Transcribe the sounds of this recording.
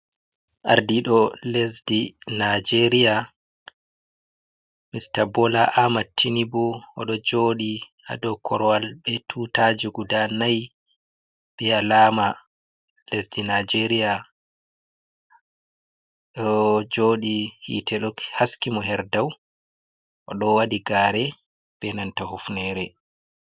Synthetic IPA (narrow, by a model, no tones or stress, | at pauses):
ʔa̰ɾdiɗɔlesdinad͡ʒeɾija | mistabɔlaʔamatʰːinibuɔɗɔd͡ʒoːɗi | a̰ɗɔkʰɔɾɔwalɓɛtʰutad͡ʒuɡudanaj | bɛalaːma | lesdinad͡ʒeɾia | ɗɔd͡ʒoːɗihḭtʰɛɗɔkhaskimɔɦɛɾdaw | ʔɔɗɔwadiɡaːɾɛ | b̥ɛnantahufnɛɾɛ